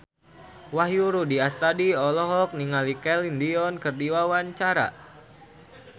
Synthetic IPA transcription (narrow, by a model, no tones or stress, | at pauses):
wahjuɾudiast̪adiɔlɔɦɔk̚niŋalikɛlindiɔnkərdiwawaɲt͡ʃaɾa̰